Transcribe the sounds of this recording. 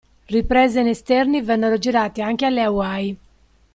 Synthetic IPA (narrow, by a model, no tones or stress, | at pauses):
ripɾɛːzenest̪ɛrnivɛnːeɾod͡ʒiɾaːt̪eaŋk̟ealːeawaj